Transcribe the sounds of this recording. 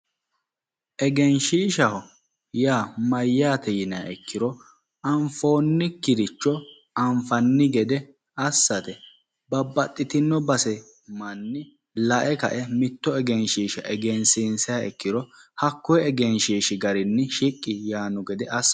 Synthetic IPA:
ʔɛɡɛnʃiːʃɐɦɔ | jaːmɐjːaːt̪ɛjɪnɐɐɛkːɪɾɔ | ɐɱfo̞ːnːɪkɪɾɪt͡ʃːɔ | ɐɱfɐnːɪɡɛd̪ɛ | ɐsːɐt̪ɛ | bɐbːɐt̪ʼːɪt̪ɪnːɔbɐsɛ | mɐnːɪ | lɐʔɛkɐ̰ʔɛmɪt̪ːɔɛɡɛnʃiːʃɐʔɛɡɛnsinsɛɐɛkːɪɾɔhɐkːɔɛɛɡɛnʃiːʃɪɡɐɾɪnːɪʃɪkʼːɪjaːnɔɡɛd̪ɛʔɐsː

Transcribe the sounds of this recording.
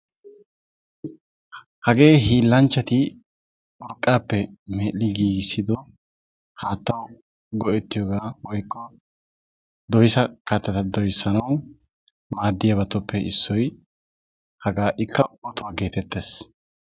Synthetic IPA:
hɐɡe̞ːhiːlːɐnt͡ʃːɐt̪ɪ | ɔɾkʼːaːpːɛmɛːlːɪɡiːɡsːɪd̪ɔ | haːt̪ːɐw | ɡɔʔɛt̪ːɪjɔːɡaːwɔjkʰʼːɔ | d̪ɔjsɐkɐt̪ːɐt̪ɐd̪ɔjsːɐnɐw | maːd̪ːɪjɐbɐt̪ɔpʰːɛʔɪsːɔj | hɐɡaːʔɪkʰːɐɔt̪ʊwaːɡe̞ːt̪ɛt̪ːe̞ːs

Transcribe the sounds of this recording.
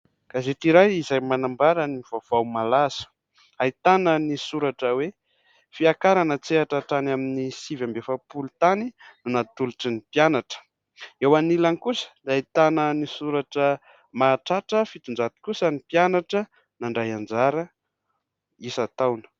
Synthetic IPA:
kazet̪iɾajizajmanambaɾaniv̥av̥awmalazə̥ | ait̪anənisuɾaʈ͡ʂəwe | fiakaɾanət͡seaʈ͡ʂaʈ͡ʂanaminisivambefapulut̪aninunat̪uluʈ͡ʂinipjanaʈ͡ʂə̥ | ewanilankusə̥d̪ait̪anənisuɾaʈ͡ʂə | maːʈ͡ʂaʈ͡ʂəfit̪und͡ʒat̪i̥kusənipjanaʈ͡ʂə | naɳɖ͡ʐajand͡zaɾə | isat̪awnə̥

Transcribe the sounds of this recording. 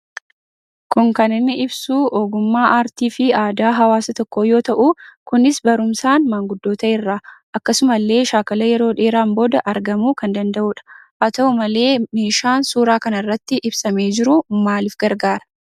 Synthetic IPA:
kʊŋkɐnɪnːɪʔɪbsuːʔoːɡʊmːaːʔaːɾt̪iːfɪaːd̪aːɦɐwaːsɐt̪ɔkːoːjo̞ːt̪ɐʔukʊnɪsbɐɾʊmsaːnmaːŋɡʊd̪ːo̞ːt̪ɐʔɪrːaːʔɐkːɐsʊmɐlːe̞ːʃaːkɐlɐjɛɾo̞ːᶑe̞ːɾaːmbo̞ːd̪ɐʔɐɾɡɐmuːkɐnd̪ɐnd̪ɐʔuːᶑɐ̥ʔɐt̪ɐʊmɐle̞ːmeːʃaːnsuːɾaːkɐnɐrːɐt̪ːɪʔɪbsɐme̞ːd͡ʒɪɾʊmaːlɪfɡɐɾɡaːɾɐ̥

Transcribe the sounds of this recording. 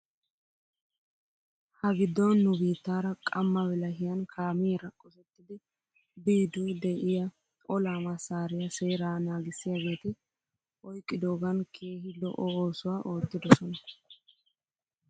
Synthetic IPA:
hɐɡɪd̪ːɔnːʊbiːt̪ːaːɾɐkʼɐmːɐwɛlɐɦɪjɐnkʰaːmiːɾɐkʼɔsɛt̪ːɪd̪ɪ | biːd̪ud̪ɛʔɪjɐ | ɔlaːmɐsaːɾɪjɐseːɾaːnaːɡɪsːɪjaɡe̞ːt̪ɪ | ʔɔjkʼːɪd̪oːɡɐnkʰe̞ːhɪlɔ̰ʔɔoːsʊwaːʔo̞ːt̪ːɪd̪ɔsɔnɐ

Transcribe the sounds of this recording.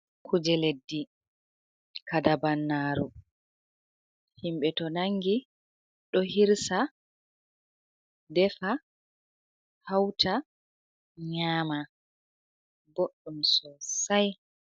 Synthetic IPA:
kʰud͡ʒɛledːi | kadabanːaːɾu | himɓɛtɔnaŋːɡi | ɗɔhiɾsa | dɛfa | hawtʰa | ɲaːma | boɗːumsɔsaj

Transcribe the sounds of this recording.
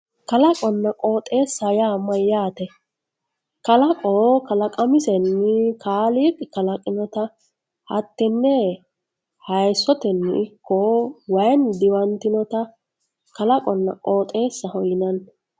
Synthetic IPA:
kɐlɐkʼɔnːɐkʼoːt̪ʼe̞ːsːɐjaːmɐjaːt̪ɛ | kɐlɐkʼoːkɐlɐkʼɐmɪsɛnːɪkʰaːliːkʼɪkɐlɐkʼɪnɔt̪ɐ | hɐ̰t̪ːɛnːɛ | hɐjsːɔt̪ɛnːɪ̰ɪkʰːɔwɐjnd̪ɪwɐnt̪ɪnɔt̪ɐ | kɐlɐkʼɔnːɐ̰kʼoːt̪ʼe̞ːsːɐhɔjɪnɐn

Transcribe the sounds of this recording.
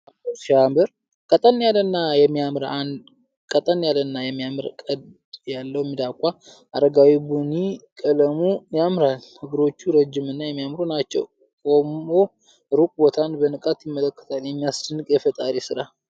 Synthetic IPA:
at̪oʃambəɾ | kʼət̪ʼənːjalənːajɛmːijamɾan | kʼət̪ʼənjalənːajɛmːijamɨɾkʼəd̪ | jalːəwɛmːid̪akʼa | ʔaɾəɡawibunikʼələmujamɾalhɨɡɨɾo̞t͡ʃːuɾəd͡ʒːɪmɨnːajɛmːijamɾunat͡ʃːɛ̰w | kʼomo | ɾukʼbot̪ʰanbənɨkʼat̪jɪmːələkːə̥t̪ʰaljɛmːijast͡ʃənːɨkʼjɛfət̪ʼaɾisɨɾa

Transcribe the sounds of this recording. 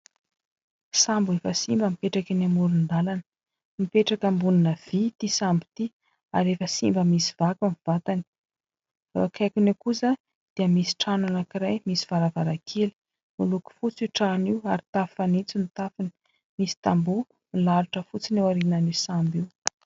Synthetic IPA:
sambuefəsimbəmipeʈ͡ʂakinamuɾund̪alanə̥ | mipeʈ͡ʂakəmbuninəv̥it̪isambit̪i | a̰ɾefəsimbəmisiv̥akuniv̥at̪ani̥ | va̰kʰajkunekusə | d̪̥iəmisi̥ʈ͡ʂananakiɾajmisi̥v̥aɾavaɾakʰeli̥ | muluku̥fut͡siʈ͡ʂaniwaɾit̪affanit͡sinit̪afini̥ | misi̥t̪ambu | milaɾuʈ͡ʂəfut͡sinewaɾinanisambiw

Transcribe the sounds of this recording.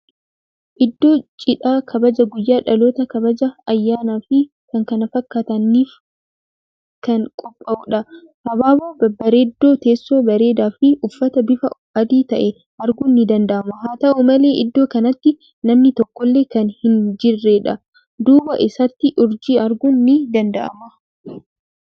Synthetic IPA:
ʔɪd̪ːo̞ːt͡ʃʼɪᶑaːkʰɐbɐd͡ʒɐɡʊjːaːᶑɐloːt̪ɐkɐbɐd͡ʒɐːjːaːnaːfɪ | kɐŋkɐnɐfɐkːaːt̪ɐnːiːf | kɐŋkʼɔpʼːɐʔuᶑɐ | hɐbaːboːbɐbɐɾe̞ːd̪ːo̞ːt̪e̞ːsːoːbɐɾe̞ːd̪aːfɪʔʊfːɐt̪ɐbɪfɐ | ɐd̪iːt̪ɐʔɛ | ʔɐɾɡʊnːɪd̪ɐnd̪ɐʔɐmɐɦaːt̪ɐʔumɐle̞ːʔɪd̪ːo̞ːkɐnɐt̪ːɪ | nɐmnɪt̪ɔkːɔlːe̞ːkɐnhɪnd͡ʒɪrːeːᶑɐ | d̪uːbɐʔɪsɐt̪ːɪʔʊɾd͡ʒiːɐɾɡʊnːɪd̪ɐnd̪ɐʔɐ̰mɐ

